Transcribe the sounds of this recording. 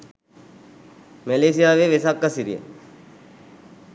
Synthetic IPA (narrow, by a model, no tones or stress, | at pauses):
meleːsijaːʋeʋesakːəsiɾijḛ